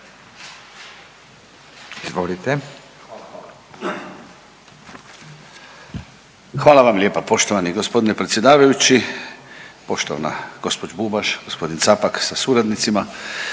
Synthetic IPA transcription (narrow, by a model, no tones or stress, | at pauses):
izʋolit̪e | xʋaːlaʋamlʲe̞ːpapo̞ʃt̪oʋaniɡo̞spo̞d̪inepɾe̞t̪sʲje̞d̪aːʋajut͡ɕi | po̞ʃt̪oʋa̰na̰ɡ̥o̞spo̞d͡ʑbubaʃɡospo̞d̪int̪sapaksasuɾad̪nit̪sima